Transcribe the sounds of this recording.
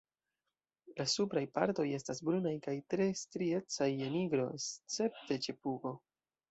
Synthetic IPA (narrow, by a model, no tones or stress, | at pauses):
lasupɾajpa̰ɾto̞je̞stasbɾunajkajtɾe̞stɾie̞t͡sajeniɡɾo̞st͡se̞p̚te̞t͡ʃepuɡo̞